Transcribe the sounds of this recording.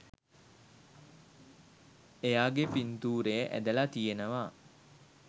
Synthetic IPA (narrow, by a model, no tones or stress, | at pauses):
ejaːɡepint̪uːɾejəʔæ̰d̪əlat̪ijenəʋa